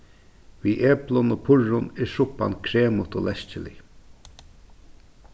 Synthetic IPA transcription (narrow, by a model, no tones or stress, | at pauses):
viʔeːplʊnoːpʰʊɹʊnɛʂʊpːa̰nkʰɾeːmʊt̪oːlʔɛst͡ʃɪlɪ̰